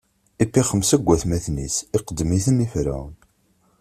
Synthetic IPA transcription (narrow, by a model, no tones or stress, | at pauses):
ipːiχəmsæɡʷːæθmæθnḭsiɾqəd̪ːmiθəmifɾæ̰